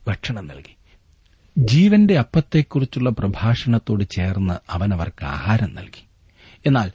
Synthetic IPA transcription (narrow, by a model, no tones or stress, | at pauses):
ɡɐʈʂɐɳɐmnɐ̰lki̥ | d͡ʑiːʋɐnde̞ɐpːɐt̪ːe̞kːurit͡ɕːuɭːɐprɐbʱaːʂɐɳɐt̪ːo̞ːɽɨt͡ɕe̞ːrnːɐɐʋɐnɐʋɐ̰rkɨa̰ːhaːɾɐmnɐ̰lki̥ | e̞nːaːl